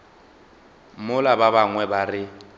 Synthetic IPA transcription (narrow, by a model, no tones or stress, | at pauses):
mʊlababaŋwɛbarɪ